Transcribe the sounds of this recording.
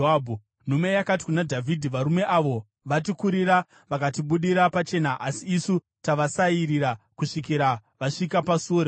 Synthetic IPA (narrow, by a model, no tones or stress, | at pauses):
aːbʱu | n̤ume̞jakati̥kunadʱavʱidʱiʋaɾume̞ʔaʋo̞ | ʋat̬ikuɾiɾa | ʋakatiɓuɗiɾapat͡ʃe̞naʔasiːsu | taʋasaiɾiɾa | kuʂikiɾaʋaʂikapasuoɾ